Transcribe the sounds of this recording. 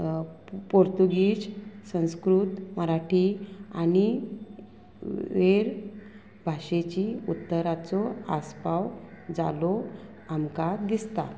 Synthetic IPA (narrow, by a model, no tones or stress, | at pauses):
poɾt̪uɡiːɕsə̃w̃skɾuːt̪məɾaʈʰia̰ñi | ʋeɾ | bʱaɕet͡ɕiut̪ːəɾat͡sɔaspawd͡za̰lɔ | amkad̪ist̪a̰